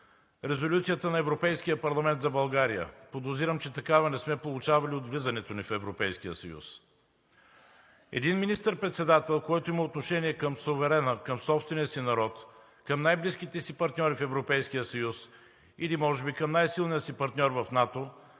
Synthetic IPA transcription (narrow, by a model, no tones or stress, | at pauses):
ɾɛzolʲut̪sijət̪ənɐɛvɾopɛjsk̟ijəpɐɾlˠɐmɛnt̪zɐbɐlˠɡaɾijə̰pod̪oziɾəmt͡ʃɛt̪ɐkavɐnɛsmɛpolˠʊt͡ʃavɐliod̪vlizɐnɛt̪onifɛvɾopɛjskijəsɐjṵs | ɛ̰d̪inminist̪əɾpɾɛt̪sɛd̪at̪ɛlˠkɔjt̪oiməot̪noʃɛniɛkəmsovɛɾɛnəkəmsɔpst̪vɛnijəsinɐɾɔt̪ | kɐmnajblisk̟it̪ɛsipɐɾt̪nʲɔɾifɛvɾopɛjsk̟ijəsɐjus | ilimɔʒɛbikɐmnajsilˠnijəsipɐɾt̪nʲɔɾvɐfnat̪o